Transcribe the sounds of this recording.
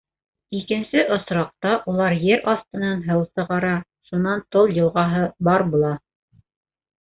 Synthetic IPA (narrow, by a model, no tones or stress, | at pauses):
ikɘ̆nsɘʔŏsɾɑq̚t̪ɑʔulˠɑɾjɘɾʔɑst̪ɤ̆nɑnɦɤwsɤ̆ʁɑɾɑ | ʃunɑnt̪olˠjɤ̆lˠʁɑɦɤbɑɾbulˠɑ